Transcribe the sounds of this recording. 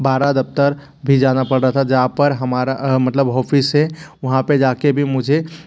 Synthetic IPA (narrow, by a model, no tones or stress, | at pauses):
baːɾad̪əp̚t̪əɾ | bʱid͡ʒaːnapəɽɾəɦat̪ʰad͡ʒəɦãpəɾɦəmaːɾamət̪ləbɦɔːpʰisewʊɦãped͡ʒaːkebʱimʊd͡ʒʱe